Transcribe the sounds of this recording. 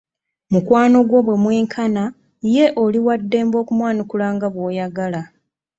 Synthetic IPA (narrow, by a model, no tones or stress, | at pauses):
mukwaːno̞ɡwo̞βwe̞mwe̞ːŋkʰana | je̞ʔo̞liwadːe̞ːmbo̞ːkumwaːnikulaːŋɡaβwo̞ːjaɡala